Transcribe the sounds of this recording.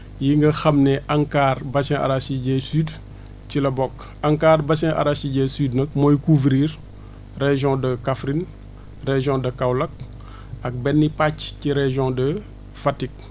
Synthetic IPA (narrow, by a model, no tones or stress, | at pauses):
jiŋɡɐxɐmnɛʔɐŋkaːrbɐsɛ̃ʔa̰ɾasiɟɛsyːd | cilɐbɔk | ɐŋkaːrbɐsɛ̃ʔa̰ɾasiɟɛsyːdnɐk̚mɔjkuvɾiːr | reʒɔ̃dɐkafɾin | reʒjɔ̃dɐkawlɐk̚ | ɐk̚bɛnːipacciɾɛʒjɔ̃dɐ | fatik̚